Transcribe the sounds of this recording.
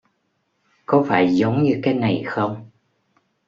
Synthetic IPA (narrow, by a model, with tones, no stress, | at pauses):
kɔ˨˦faː˧˩jzə˨˦wŋ͡mɲɨ˧kaː˨˦jna˨˩jxə˧wŋ͡m